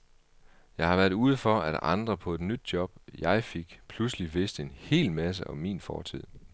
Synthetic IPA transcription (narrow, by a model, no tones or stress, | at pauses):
jɑ̈ɪhɑ̈ʋæːɐðˠuːð̞ˠəfɒ̽æɾ̥ɑ̈nd̥ʁɐpʰɒ̽e̝d̥nyd̥̚jɒ̽b̥jɑ̈ɪfe̝ɡ̥pʰlusliʋe̝sd̥əe̝nhe̝̰ːlmæs̬əʔɒ̽mːḭːnfɒ̰ːt͡sʰið̰ˠ